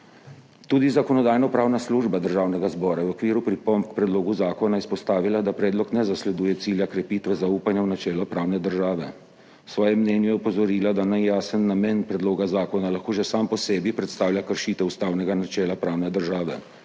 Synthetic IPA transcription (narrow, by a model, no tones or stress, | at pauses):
t̪uːd̪izakɔnɔd̪aːjnɔpɾaːwnasluʒbad̪əɾʒaːwnɛɡazbɔːɾawɔkʋiːɾupɾipɔmpkpɾɛd̪loːɡuzaːkɔnaispɔst̪aːʋilad̪apɾɛːd̪lɔknɛzaslɛd̪uːjɛt̪siːljakɾɛpiːt̪ʋɛzauːpanjawnat͡ʃɛːlɔpɾaːwnɛd̪əɾʒaːʋɛ | sʋɔːjɛmːnɛːnjujɛɔpɔzɔɾiːlad̪anajaːsənːamɛːnpɾɛd̪loːɡazaːkɔnalaxkoːʒɛsaːmpɔsɛːbipɾɛt̪st̪aːwljakəɾʃiːt̪ɛust̪aːwnɛɡanat͡ʃɛːlapɾaːwnɛd̪əɾʒaːʋɛ̰